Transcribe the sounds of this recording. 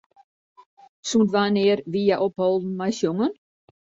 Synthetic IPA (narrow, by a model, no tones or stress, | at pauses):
sũntʋaːneːɾʋijaʔophɔlˠdn̩majsjoŋən